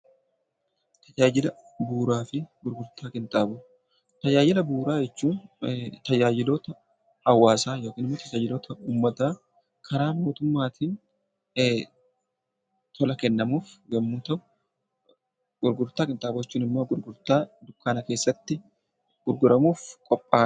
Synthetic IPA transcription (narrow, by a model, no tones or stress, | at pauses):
t̪ʰɐd͡ʒaːd͡ʒɪlɐ | buːɾaːfɪɡʊɾɡʊɾt̪aːkʼɪnt̪ʼaːbuː | t̪ɐjaːjɪlɐbuːɾaːd͡ʒɛt͡ʃːuːnt̪ɐjaːd͡ʒɪloːt̪ɐ | ɐwːaːsaːjo̞ːkiːnɪmːoːt̪ɐd͡ʒaːd͡ʒɪloːt̪ɐuːmːɐt̪aː | kʰɐɾaːmo̞ːt̪ʊmːaːt̪ʰiːn | t̪ʰɔlɐkɛnːɐmuːfɡɐmːuːt̪ɐʔʊ | ɡʊɾɡʊɾt̪aːkʼɪnt̪ʼaːboːjɛt͡ʃːuːnɪmːoːɡʊɾɡʊɾt̪aːd̪ʊkːaːnɐke̞ːsːɐt̪ːɪ | ɡ̥ʊɾɡʊɾɐmuːfkʼɔpʼːaː